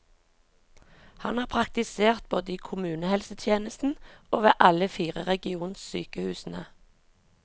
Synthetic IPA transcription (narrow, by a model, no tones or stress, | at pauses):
hɑnhɑːʁpʰʁɑk̚t̪ɪseːʁt̪̚boːd̪əiːkʰʊmʉːnəhɛlsət̪ʰjeːnəst̪n̩oːʋeːʔɑləfiːʁəʁɛɡɪuːnssy̰ːkəhʉːsn̩ə